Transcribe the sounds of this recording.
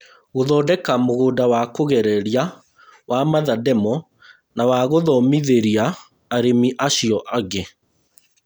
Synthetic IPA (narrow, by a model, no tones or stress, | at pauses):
ɣoðɔːdɛkamoɣoːdawakoɣɛɾɛɾja | wamaðadɛmɔ | nawaɣoðɔmiðeɾiaː | ɾemiʔaɕiɔʔaɣe